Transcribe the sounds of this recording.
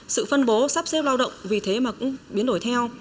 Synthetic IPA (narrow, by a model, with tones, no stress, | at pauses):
sɨ̰˧˨fə˧nɓo˨˦sa˦˥p̚se˦˥p̚laː˧wɗə̰˧˨wŋ͡mvi˨˩t̪ʰe˨˦maː˨˩kʊ̰˧˥ŋ͡mɓi˨˦nɗo˧˩jt̪ʰɛ˧w